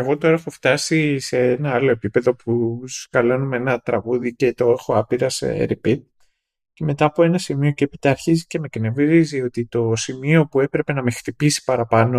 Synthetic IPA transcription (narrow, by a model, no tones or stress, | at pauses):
eɣo̞t̪o̞ɾɐexo̞ft̪ɐsise̞enɐɐlo̞e̞pipe̞ðo̞puskɐlo̞numeenɐt̪ɾɐɣuðice̞t̪o̞exo̞ɐpiɾɐsɾipit̪̚ | ce̞me̞t̪ɐːpo̞e̞nɐsimio̞ceepit̪ɐːɾçizice̞mekne̞vɾizio̞t̪it̪o̞simio̞pue̞pɾe̞pe̞nɐme̞xθipisi̥pɐɾɐpɐno̞